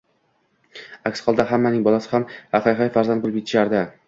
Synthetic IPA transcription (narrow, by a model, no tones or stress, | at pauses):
akʲsχɒlˠd̪aɦamːanɪŋbɒlˠasɪ̥hamhaqɑjɦajfaɾzand̪̚bʊlˠɪp̚ʲet̪ʰɪ̥ʃaɾd̪ɪ